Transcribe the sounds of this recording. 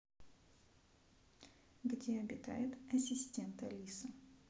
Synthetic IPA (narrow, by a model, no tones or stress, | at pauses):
ɡdʲeɐbʲɪt̪a̰jɪt̪ɐsʲɪsʲtʲent̪ɐlʲisə